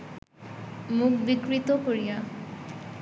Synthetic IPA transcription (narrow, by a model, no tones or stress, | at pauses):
muk̚bikɾit̪okoɾija